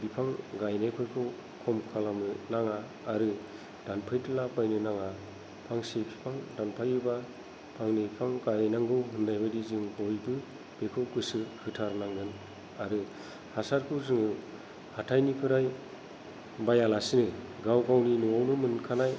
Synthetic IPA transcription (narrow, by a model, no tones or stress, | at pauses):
bipʰaŋɡajnajpʰɯjkʰɯw | kʰɔmkʰalamɯnaŋaː | ɾɯ | d̥anpʰɯjtʰɯlabajnɯnaŋa | pʰaŋsepʰi̥pʰaŋdanpʰajɯba | pʰaŋnɯipʰaŋɡajjnaŋɡɯwɦɯndajbadizɯŋbɔjbɯ | b̥ekʰɯwkɯsɯhʰɯtʰaɾnaŋɡɯn | aɾɯ | hasaɾkʰɯwzɯŋɯ | hatʰajnipʰɯɾaj | bajalasɯnɯɡawɡawninuawnɯmɯnkʰanaj